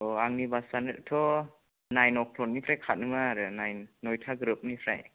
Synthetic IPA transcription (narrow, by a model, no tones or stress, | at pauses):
aŋnibasanɯɾtʰɔ | najnɔk̚pʰlɔn̚nipʰɾajkʰat̚nɯŋaɾɯnajnːɔjtʰaɡɾɯp̚nipʰɾa̰j